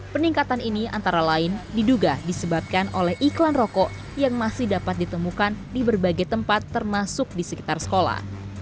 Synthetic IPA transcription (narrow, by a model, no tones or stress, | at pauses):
pəniŋkat̪aninia̰nt̪aɾalaɪndiduɡadisəbap̚kanʔolɛhʔiklanrɔkɔʔ | jaŋmasɪhdapat̪̚dit̪əmukandibərbaɡajt̪əmpat̪ːərmasʊk̚disəki̥t̪arsə̥kola̰h